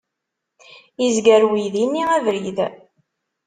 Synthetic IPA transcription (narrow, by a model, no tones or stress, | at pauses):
izɡəɾwiðinːiævɾið